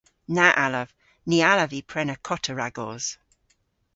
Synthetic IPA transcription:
naʔaləv̥ | nialəvipʰɹɛnəkʰɔtʰəɹaɡɔz̥

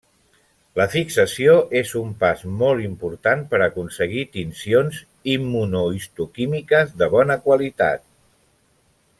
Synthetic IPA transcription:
ləfiksəsioʔezumpazmɔlˠimpuɾt̪anpəɾəkunsəɣ̞it̪insionz | imːunuist̪ukimikəzðəβ̞ɔnəkwəlit̪a̰t̪̚

